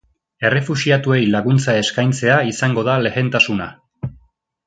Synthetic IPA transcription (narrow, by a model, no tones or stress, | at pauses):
e̞re̞fuʃiat̪ue̞jlaɣ̞unt͡sae̞skajnt͡se̞aisaŋɡo̞ð̞ale̞ɣe̞nt̪asuna